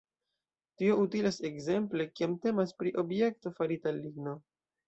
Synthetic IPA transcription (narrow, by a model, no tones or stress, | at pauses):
tio̞utilase̞kze̞mple̞kiamte̞maspɾiʔo̞bje̞k̚to̞faɾitaliɡno̞